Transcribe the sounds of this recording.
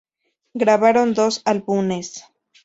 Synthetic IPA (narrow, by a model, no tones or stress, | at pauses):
ɡɾaβaɾond̪osalbunes